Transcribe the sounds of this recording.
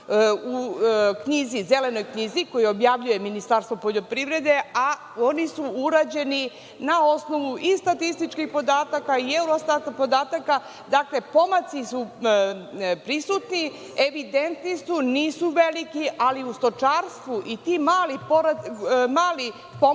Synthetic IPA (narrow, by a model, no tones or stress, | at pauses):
ukɲizizele̞no̞jkɲiziko̞jio̞bjaʋʎuje̞minist̪aːɾst̪ʋo̞po̞ʎo̞pɾiʋɾe̞d̪e̞a | onisuuɾaːd͡ʑe̞ni | nao̞sno̞ʋuʔist̪at̪ist̪it͡ʃkixpo̞d̪aːt̪akaieuɾost̪at̪apo̞d̪aːt̪aka | d̪akle̞po̞mat̪sisu | pɾisut̪ni | e̞ʋid̪e̞nt̪nisuniːsuʋe̞likiʔaliust̪o̞t͡ʃaːɾst̪ʋuʔit̪iːmaːlipoɾamaːli | po